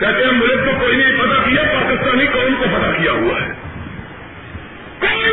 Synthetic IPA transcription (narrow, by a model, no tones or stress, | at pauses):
kɛt̪eãmʊlət̪̚t̪okoːinɐɦipɐt̪akijapaːkɪst̪aːnikownkopɐt̪akijaɦua̰ɦɛ̰